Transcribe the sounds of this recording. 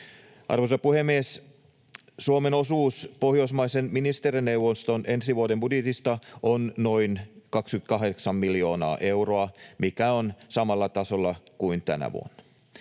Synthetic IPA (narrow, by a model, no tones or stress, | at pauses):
ʔɑ̰rʋosɑpuhemːies | suomeno̞suːspo̞hjoismɑisenminist̪eɾinːewʋːonst̪onʔe̞nsiʋuodembudjet̪ist̪ɑʔonno̞inkɑkskyt̪̚kɑɦeksɑmmiljo̞ːnɑ̰ːʔe̞wroɑmikæonsɑmɑlːɑt̪ɑsolːɑkuint̪æ̰næ̰ʋṵo̰nːɑ̥